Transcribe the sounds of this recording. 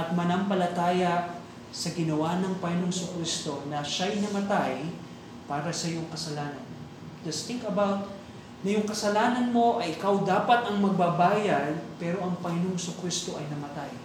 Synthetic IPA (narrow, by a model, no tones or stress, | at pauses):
ʔɐt̪̚mɐnɐmpɐlɐt̪aːjɐʔ | sɐɡɪnɐwanɐŋpɐɪnoŋsʊkɾist̪o̞nɐʃajnɐmɐt̪aj | paːɾɐsɐjoŋkɐsɐlaːnɐn | d̪ɐst̪ɪŋkɐbawt̪̚ | nɐjʊŋkɐsɐlaːnɐnmo̞ʔɐjʔɪkawd̪aːpɐt̪ʔɐŋmɐɡ̚bɐbaːjɐd̪pɛɾo̞ʔɐŋpɐɪnoŋsʊkwist̪o̞ʔɐjnɐmɐt̪aj